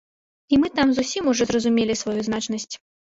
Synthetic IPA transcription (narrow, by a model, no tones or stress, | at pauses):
imɨt̪amzusʲimuʐɔzrɐzumʲelʲisvajuzn̪at͡ʂnɐsʲt͡sʲ